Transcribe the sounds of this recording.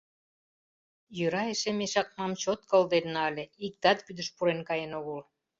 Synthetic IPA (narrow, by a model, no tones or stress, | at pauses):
jøɾɑeʃemeʃɑk̚mɑmt͡ɕot̪̚kəld̪enːɑlʲeik̚t̪ɑt̪kyd̪ə̆ʃpuɾenkɑjenoɣol